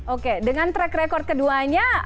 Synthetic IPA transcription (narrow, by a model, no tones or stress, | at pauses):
ʔokedəŋant̪ɾɛkɾekɔrt̪̚kəduaɲa